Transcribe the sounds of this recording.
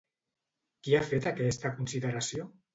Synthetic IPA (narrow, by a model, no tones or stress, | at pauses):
kiafet̪akɛst̪akunsiðəɾasio